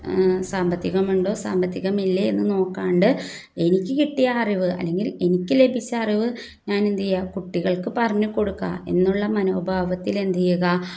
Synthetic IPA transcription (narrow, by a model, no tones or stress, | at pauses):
saːmbɐt̪ːiɣɐmuɳɖo̞ːsa̰ːmbʱɐt̪ːiɣɐmilːɐenːɨno̞ːkːaːɳɖɨ | e̞nikʲːɨkiʈːijɐːriʋɨɐ̰lːeŋɡile̞nikʲːɨle̞bʱit͡ɕːɐːriʋɨ | ɲaːnend̪ijjakuʈːiɣɐɭkɨpɐrɐɲːɨko̞ɽukːɐ̰e̞̰nːuɭːɐmɐno̞ːbʱaːʋɐt̪ːile̞nd̪ijuɣɐ